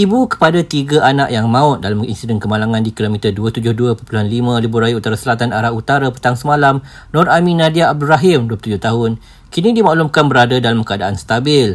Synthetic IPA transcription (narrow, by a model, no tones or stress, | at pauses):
ibukə̥padat̪iɡaʔanaʔjaŋmãʊt̪̚dalamḭnsidɛnkəmalaŋãndikilomĩt̪əduat̪ud͡ʒʊhduəpupuluɦanlimãlibuɾajaut̪aɾasəlat̪anaɾahut̪aɾapə̥t̪aŋsəmãlam | nɔ̃rʔamĩnãdiaːb̚duɾaɦɪmduəpət̪ud͡ʒʊht̪aɦʊn | kinĩdimãʔlumkanbəɾadadalamkəadaʔanst̪abɪl